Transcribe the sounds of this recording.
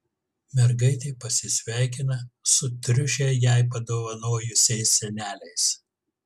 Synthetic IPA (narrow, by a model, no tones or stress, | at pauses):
mʲɛɾɡɐɪt̪ʲɛɪpɐsʲɪsʲʋʲæˑɪkʲɪnɐsʊt̪ʲɾʲʊʃʲɛjɛˑɪpɐd̪oːʋɐnoːjʊsʲɛɪsːʲɛnʲæːlʲɛɪs